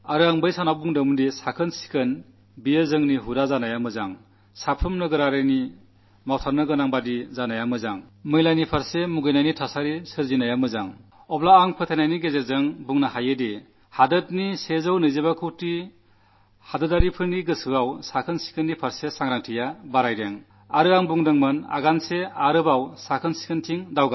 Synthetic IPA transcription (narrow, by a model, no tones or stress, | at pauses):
aɾɯaŋbɯjsanabuŋdɯmndisakʰɯnsi̥kʰɯn | bijəzɯŋniɦuɾazanajamɯzaŋ | sapʰɯmnɯɡɯɾaɾɯjni | mawtʰaɾnɯɡɯnaŋbadizanajamɯzaŋmɯjlajnipʰaɾsemuɡɯjnajnitʰasaɾisɯɾzinajamɯzaŋ | ɔblaːŋpʰɯt̪ʰenajniɡezeɾzɯŋbuŋnaɦajedi | hadɯt̚nisezɯwnɯjzebakʰɯwti | hadɯdaɾipʰɯɾniɡɯsɯawsakʰɯnsi̥kʰɯnːipʰaɾsesaŋɾaŋtʰijabaɾajɾeŋ | aɾɯaŋbuŋdɯŋmɯna̰ɡanseaɾɯbawsakʰɯnsi̥kʰɯntʰiŋdawɡa